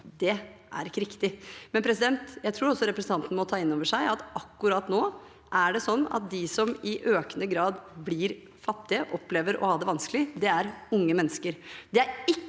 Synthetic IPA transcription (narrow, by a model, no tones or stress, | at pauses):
d̪ɛʔæ̰ɾɪkːəɾɪkt̪ɪmɛnpʰɾɛsɪd̪ɛnt̪jæɪt̪ʰɾuːɾɔsɔɾɛpɾəsn̩t̪ʰɑnt̪ən̩mɔt̪ʰɑːɪnːoːʋəʂæɪʔɑt̪ɑkːʉɾɑːt̪noː | ʔæɖɛsɔnːɑ̰t̪̚d̪ɪsɔmɪʔøːkənəɡɾɑːd̪blɪɾ | fɑt̪ːɪəʔɔpːleːʋəɾɔ̰hɑːd̪ɛʋɑnsklɪd̪ɛæɾʊŋːəmɛnːəskəɾd̪ɛæɾɪ